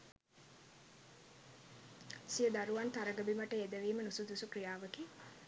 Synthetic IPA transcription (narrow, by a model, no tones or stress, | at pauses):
sijəd̪aɾuʋant̪aɾəɡəbiməʈəed̪əʋiːmənusud̪usukrijaːʋəke